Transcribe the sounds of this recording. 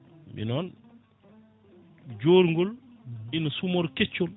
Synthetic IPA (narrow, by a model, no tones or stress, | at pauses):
mbḭnɔn | d͡ʒoːɾŋɡolminosumoɾket͡ʃːol